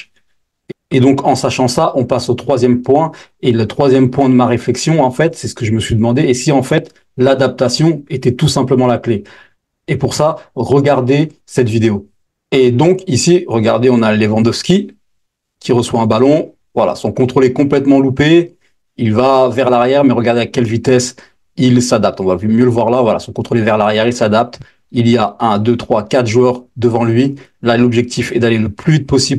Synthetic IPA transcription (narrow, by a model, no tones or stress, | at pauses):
ed̪ɔ̃kɑ̃saʃɑ̃saʔɔ̃pasot̪χwazjɛmpwɛ̃elət̪χwazjɛmpwɛ̃d̪əmaʁeflɛksjɔ̃ɑ̃fɛt̪sɛsə̥kəʒəməsɥid̪əmɑ̃d̪eːsiɑ̃fɛt̪ | lad̪ap̚t̪asjɔ̃et̪ɛt̪usɛ̃pləmɑ̃lakleː | puʁsaʁəɡaʁd̪e | sɛt̪vid̪eo | ed̪ɔ̃kisiʁəɡa̰ʁd̪eɔ̃nalevɑ̃d̪ɔfskʲi | kʲiʁəswaɛ̃balɔ̃ | vwala̰sɔ̃kɔ̃t̪χolekɔ̃plɛt̪mɑ̃lupe | ilvavɛʁlaʁjɛʁmɛʁəɡaʁd̪eakʲɛlvit̪ɛs | ilsad̪ap̚t̪ɔ̃vavmjøləvwaʁlavwala̰sɔ̃kɔ̃t̪χolevɛʁlaʁjɛʁilsad̪ap̚t̪ | iliaɛ̃d̪øt̪χwakat̪χʒuœʁd̪əvɑ̃lɥilalɔbʒɛk̚t̪ʰifɛd̪aleləplyvit̪̚pɔsib